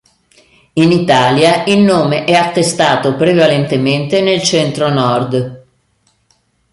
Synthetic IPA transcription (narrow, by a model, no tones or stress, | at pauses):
init̪aːljaʔilnoːmeʔɛat̪ːest̪aːt̪opɾevalent̪ement̪enelt͡ʃɛnt̪ɾonɔrd̪